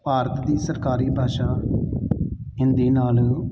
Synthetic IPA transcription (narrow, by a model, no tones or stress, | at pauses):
paːɾət̪d̪iːsəɾkaːɾiːbʱaːʃaː | ɪnd̪iːnaːl